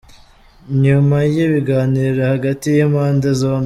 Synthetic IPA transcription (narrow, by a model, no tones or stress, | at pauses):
ɲumajiβiɡaːniːɾahaɡatijimhaːndezoːm